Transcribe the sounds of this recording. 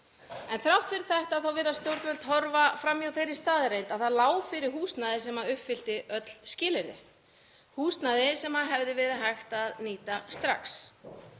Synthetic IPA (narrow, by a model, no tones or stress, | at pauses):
ɛnθɾawht̪fɪɾɪɾ̥θajht̪aðθawvɛːɾast̪jowɾt̪vɛlt̪ɦɔɾvafɾamjawθejrːɪ̥st̪aːðɪɾejnt̪aðθaðlaːwfɪɾɪɾ̥ɦuːst̪naðɪsɛmaʏhpfɪl̥t̪ɪʔœt̪l̥scɪːlɪɾɪ̰ | huːst̪naðɪsɛmhaðɦɛvðɪvɛːɾɪɦajxt̪aðniːt̪ast̪ɾa̰ks